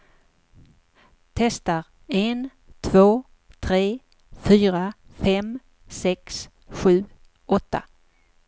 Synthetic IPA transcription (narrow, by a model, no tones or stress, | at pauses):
t̪ʰɛst̪aɾ | en | t̪ʰv̥oː | t̪ʰɾeː | fyːɾafɛm | sɛks | ɧʉ̟ː | ɔt̪ːa̰